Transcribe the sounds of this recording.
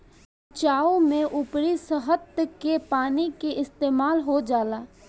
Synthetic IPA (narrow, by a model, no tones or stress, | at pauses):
t͡ʃaːumẽʔʊpɾisəɦət̪kepaːnikeʔɪst̪eːmaːlɦod͡ʒaːlaː